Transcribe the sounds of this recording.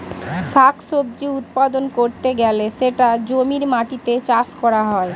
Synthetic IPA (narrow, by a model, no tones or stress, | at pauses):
ʃakʰsob̚d͡ʑiut̪̚pad̪onkoɾt̪eɡɛleʃeʈad͡ʑomiɾmaʈit̪et͡ɕaʃkɔɾaɦɔe